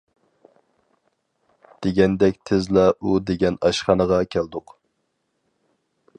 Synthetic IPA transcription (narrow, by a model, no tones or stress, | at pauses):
d̪̥eɡʲɛnd̪ɛkʲt̪ʰɪzlˠɑʔud̪eɡʲɛnɑʃχɑnəʁɑkʲʰæld̪ʊq